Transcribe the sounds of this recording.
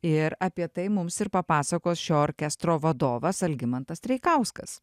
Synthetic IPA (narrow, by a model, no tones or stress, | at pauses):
ɪɾɐpʲiɛt̪ɐɪmʊmsɪɾpɐpɑːsɐkoːsʃʲoːoːɾʲkʲɛst̪ɾoːʋɐd̪oːʋɐsɐlʲɡʲɪmɐnt̪ɐst̪ʲɾʲɛɪkɐʊskɐs